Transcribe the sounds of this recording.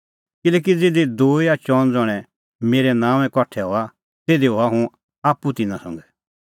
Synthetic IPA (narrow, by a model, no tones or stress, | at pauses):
kɪlɛːk̬id͡zeːd̪id̪oːiat͡ʃɔːnd͡zɔɽ̃ɛ̃ | meːɾɛnãːʋ̃ɛ̃kɔʈʰɛɦoːa | t̪eːd̪iɦoaɦũ | aːpːut̪ɪnãsɔ̰̃ŋɡɛ